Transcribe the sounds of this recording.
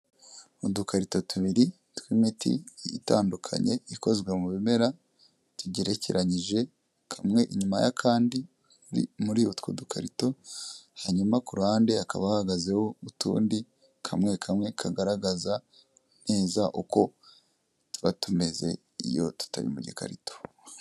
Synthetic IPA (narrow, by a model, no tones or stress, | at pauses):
udukaɾito̞tuβiɾi | twiːmitʰḭitaːndukʰa̰ɲe̞iko̞zɡwe̞muβime̞ɾa | tuɟiɾe̞ciɾaɲiʒe̞ | kʰamŋe̞ʔiɲumajakʰaːndi | muɾiutwodukʰaɾito̞haɲumakuɾaːndeakaβahaɡaze̞ho̞utṵːndi | kʰamŋe̞kʰamŋe̞kʰaɡaɾaɡaza | ne̞ːzaʔuko̞ | tuβatume̞ze̞̰ | ḭjo̞̰tu̥ta̰βḭmuɟika̰ɾito̥